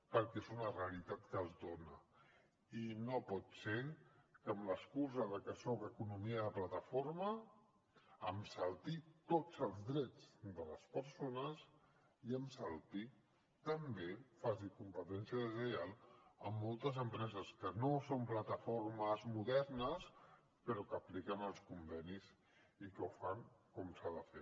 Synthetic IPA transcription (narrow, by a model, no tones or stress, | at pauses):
pəɾkɛezunəreəlit̪at̪kəːlˠzdonə | inopɔt̪sekəːmləskuzəðəkəsɔkəkunumiəðəplat̪əfoɾmə | əmsəlˠt̪it̪ot͡səlˠzdɾɛd͡zd̪ələspəɾsonəs | iəmsəlˠt̪i | t̪əmbefazikumpət̪ɛnsiəðəzəjalˠəmːolˠt̪əzəmpɾɛzəskənosomplat̪əfoɾməzmuðɛɾnəs | pəɾɔkəplikənəlˠskumbɛniz | ikəwfaŋkɔmsaðəfe